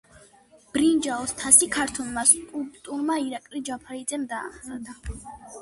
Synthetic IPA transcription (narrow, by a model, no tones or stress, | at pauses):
b̥ɾind͡ʒaɔst̪ʰasikʰaɾt̪ʰulˠmaskʼulˠpʼt̪ʼuɾmaiɾakʼlid͡ʒapʰaɾid̪zɛmd̪aːχad̪ʰa